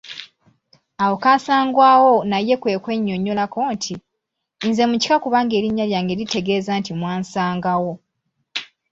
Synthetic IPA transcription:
awo̞kaːsaːŋɡwaːwo̞naje̞kwe̞ːkwe̞ɲːo̞ɲːolako̞ːntʰiː | nze̞muci̥kakuβaːŋɡe̞ːɾiɲːaljaːŋɡe̞lite̞ɡe̞ːzaːntimwaːnsaːŋɡawo̞

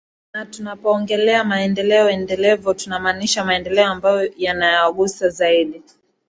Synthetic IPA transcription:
natunapɔːŋɡɛlɛamaɛndɛlɛɔɛndɛlɛvɔtunamaːniʃamaɛndɛlɛɔambajɔjanajaɠusazaiɗi

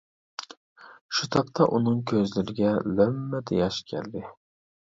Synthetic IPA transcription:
ʃut̪ʰɑp̚t̪ʰɑʔunɨŋkʲʰøzlyɾɪɡʲɛlømːɛd̪ejɑʃkʲʰɛ̰ld̪ɪ

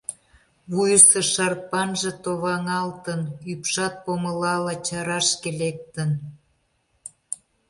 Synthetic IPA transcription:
βujəsɤʃɑr̚pɑnʒĕt̪oβɑŋɑlt̪ənypʃɑt̪̚poməlɑlɑt͡ɕɑɾɑʃkelek̚t̪ə̆n

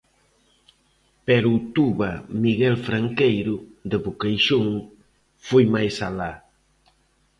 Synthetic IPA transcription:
pɛɾʊːt̪uβɐmiɣɛlfɾaŋkejɾʊðd̪eβukejʃoŋ | fojmajsala

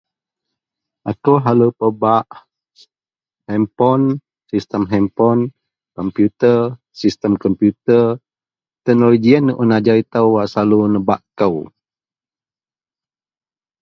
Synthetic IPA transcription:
ʔakəwɦaləpəbaʔ | hɛmpɔn | sist̪əmɦɛmpɔn | kɔmpjut̪ər | sist̪əmkɔmpjut̪ər | t̪ɛnoloɡiənːəʔunad͡ʒaɾit̪əwwaʔsalunəbaʔkəw

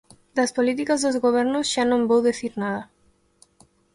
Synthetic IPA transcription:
d̪aspolit̪ikazðozɣoβ̞ɛɾnozʒ̥anõmbowðeθiɾnaðɐ

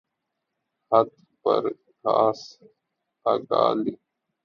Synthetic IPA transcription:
hət̪ | pə̰ɾ | kʰaːs | aːɡaːli

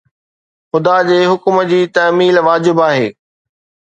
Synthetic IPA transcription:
xʊd̪ad͡ʑeːɦʊkmd͡ʑiːt̪ɐːmiːlʋaːd͡ʑɪbaːɦḛː

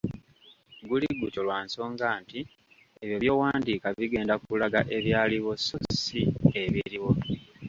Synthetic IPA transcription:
ɡuliɡuco̞lwaːnso̞ːŋɡaːnti | eβjoβjo̞ːwaːndiːkaβiɡe̞ːndakulaɡaʔe̞βjaːliβososieβiɾiwo̞

